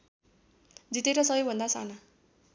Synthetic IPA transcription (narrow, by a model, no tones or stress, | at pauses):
d͡zit̪eɾʌsʌbʌjbʱʌnd̪asa̰na